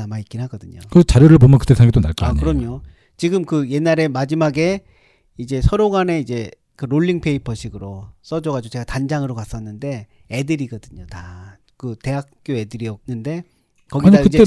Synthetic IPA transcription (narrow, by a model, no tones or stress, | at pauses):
amaik͈inɦaɡʌdɯɲo̰kɯt͡ɕaɾjoɾɯɭpomjʌnkɯ̥t͈esʰaŋɡet͈onaɭk͈ʌakɯɾʌmɲo | t͡ɕiɡɯmkɯje̞nːaɾe̞mad͡ʑimaɡe̞ | id͡ʑe̞sʰʌɾoɡane̞id͡ʑe̞ | kɯɾoɭːiŋpʰe̞ipʰʌɕʰiɡɯɾos͈ʌd͡ʑʌɡad͡ʑot͡ɕeɡatand͡ʑaŋɯɾokas͈ʌnːɯnde̞ː | dɯɾiɡʌdɯɲota | kɯte̞ɦak̚k͈joe̞dɯɾiʌk̚nɯnde̞ | kʌɡiɲiakɯd͡ʑe